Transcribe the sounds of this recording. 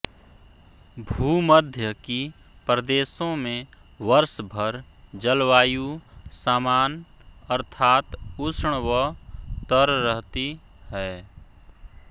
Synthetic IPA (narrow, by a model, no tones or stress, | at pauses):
bʱuːməd̪ʱjəki | pɾəd̪eːsõmẽ | ʋəɾsbʱəɾ | d͡ʒəlwaːjusaːmaːn | əɾt̪ʰaːt̪usɽwət̪əɾːəɦt̪i | ɦɛ